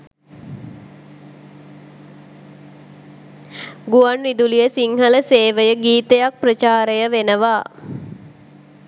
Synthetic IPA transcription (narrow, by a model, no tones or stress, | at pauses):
ɡuanʋid̪ulijəsiŋɦələseːʋəjəɡiːt̪əjak̚prət͡ʃaːɾəjəʋenəʋaː